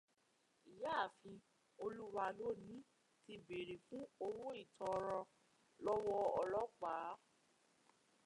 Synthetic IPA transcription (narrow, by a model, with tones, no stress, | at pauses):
i˨ja˦˨fĩ˧ | o˧lu˦wa˧lo˦˨nĩ˨˦ | ti˧be˨ɾe˨fũ˦o˧wo˦i˦˨tɔ˧˨˧ɾɔ̃˧ | lɔ˦wɔ˧ɔ˧lɔ˦k͡paː˨˦